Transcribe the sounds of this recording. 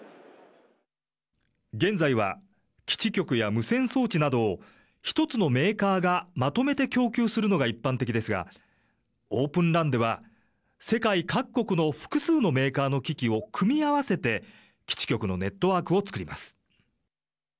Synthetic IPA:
ɡẽ̞nd͡zaiβa̰ | kʲi̥t͡ɕikʲo̞kɯ̟jamɯ̟sẽ̞ɰ̃so̞ːt͡ɕinad̪o̞ː | çi̥t̪o̞t͡sɨno̞me̞ːkaːɡamat̪o̞me̞t̪e̞kʲo̞ːkʲɨːsɨɾɯ̟no̞ɡaipːãnt̪e̞kʲid̪e̞sɨɡa̰ | o̞ːpɯ̟̃nɾãnd̪e̞βa | se̞kaikakːo̞kɯ̟no̞ɸɯ̟̥kɯ̟sɨːno̞me̞ːkaːno̞kʲikʲio̞kʰɯ̟mʲiaβase̞t̪e̞ | kʲi̥t͡ɕi̥kʲo̞kɯ̟no̞̰ne̞t̪ːo̞βaːkɯo̞t͡sɨ̥kɯ̟ɾʲima̰sɨ̥

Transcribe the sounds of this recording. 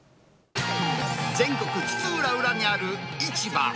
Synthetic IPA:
d͡zẽ̞ŋkokɯ̥t͡sɨːɾaɯɾamiaɾɯit͡ɕiba̰

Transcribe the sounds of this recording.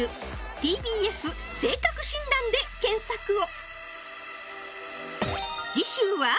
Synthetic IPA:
ɯ̟t̪ʲiːbʲiːesɨ | se̞ːkakɯ̟ɕĩnd̪ãnd̪e̞kẽ̞ɰ̃sakɯ̟o | d͡ʑiɕĩɰ̃βa

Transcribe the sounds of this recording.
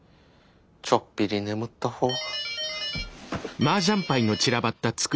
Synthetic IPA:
t͡ɕopʲːiɾʲinemɯ̟t̪ːahoː | maːʑãmpaino̞t͡ɕiɾabat̪ːat͡sɨ̥k

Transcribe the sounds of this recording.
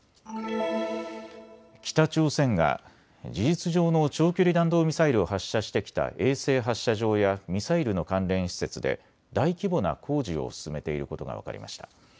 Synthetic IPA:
kʲi̥t̪at͡ɕo̞ːsẽ̞ŋɡa̰ | d͡ʑiʑit͡sɨʑo̞ːno̞t͡ɕo̞ːkʲoɾʲid̪ãnd̪o̞ːmʲisaiɾɯ̟o̞haɕːaɕi̥t̪e̞kʲi̥t̪a̰ʔe̞ːse̞ːɦaɕːaʑo̞ːjamʲisaiɾɯ̟no̞kãnɾẽ̞ɰ̃ɕi̥se̞t͡sɨd̪e̞̰ | d̪aikʲibo̞na̰kʰo̞ːʑio̞̰sɨ̥sɨme̞t̪e̞iɾɯ̟ko̞t̪o̞ɡa̰βa̰ka̰ɾʲḭma̰ɕi̥t̪a

